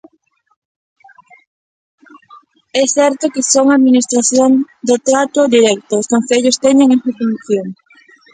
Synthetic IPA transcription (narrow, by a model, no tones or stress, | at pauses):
ɛθɛɾt̪okɪsoŋaðminist̪ɾaθjoŋd̪ʊt̪ɾat̪ʊðiɾɛk̚t̪oːskon̟θeʎʊst̪ɛɲeŋepɾefuniθjoŋ